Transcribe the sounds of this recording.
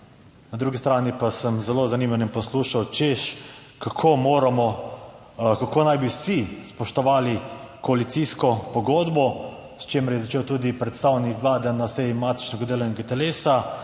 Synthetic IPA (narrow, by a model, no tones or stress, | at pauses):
nad̪ɾuːɡist̪ɾaːnipasəmzɛloːzanimanimpɔsluːʃawt͡ʃeʃ | kakʰoːmoːɾamɔ | kakoːnajbiwsispɔʃt̪ɔʋaːlikɔalit̪siːskɔpɔɡoːd̪bɔ | st͡ʃeːmɛɾjɛzat͡ʃeːwt̪uːd̪ipɾɛt̪st̪aːwnikʋlaːd̪ɛnasɛjimaːt̪i̥t͡ʃnɛɡad̪eːlanɛɡat̪ɛleːsa